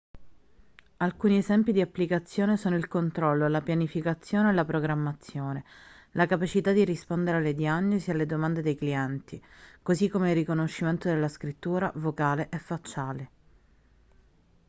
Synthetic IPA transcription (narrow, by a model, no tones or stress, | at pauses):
alkuːniezɛmpid̪iapːlikat̪sːjoːnesoːnoilkont̪ɾɔlːolapjanifikat̪sːjoːneːlapɾoɡɾamːat̪sːjoːne | lakapat͡ʃit̪ad̪irispond̪eɾealːed̪jaɲːozialːed̪omand̪ed̪ejkliɛnt̪ikozikːomeilrːikonoʃːiment̪od̪elːaskɾit̪ːuːɾa̰vokaːleʔɛfːat͡ʃːaːle